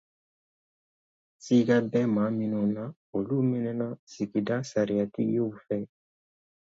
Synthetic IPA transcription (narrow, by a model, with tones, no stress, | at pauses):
si˦ɡa˦bɛ˦mã˨˦mĩ˦nõ˨nã˦ | o˨lu˦mi˦nɛ˦nã˦si˨ki˨da˦sa˨ɾi˨a˨tḭ˦o˦u˨fɛ˦˨